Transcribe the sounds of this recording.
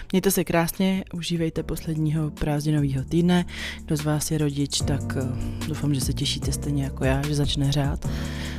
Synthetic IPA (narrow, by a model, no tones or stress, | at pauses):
mɲɛjt̪ɛsɛkɾaːsɲɛʔuʒiːvɛjt̪ɛpo̞slɛdɲiːɦo̞pɾaːzɲɪno̞viːɦo̞t̪iːdnɛɡdo̞zvaːsjɛɾo̞ɟɪt͡ʃt̪akdowfamʒɛsɛcɛʃiːt̪ɛst̪ɛjɲɛjako̞jaːʒɛzat͡ʃnɛɦr̝aːt̪